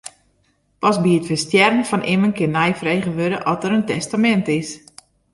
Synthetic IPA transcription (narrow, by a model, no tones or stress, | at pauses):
pɔsbiətfəstjɛrənfɔnʔɪmənkɪnːɛjfrejɣəʋøɾəʔɔtəɾəntɛstamɛntɪs